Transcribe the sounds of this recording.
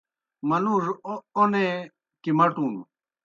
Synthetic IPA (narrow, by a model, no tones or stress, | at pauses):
mɐnuːʐone | kimɐʈuːnṵ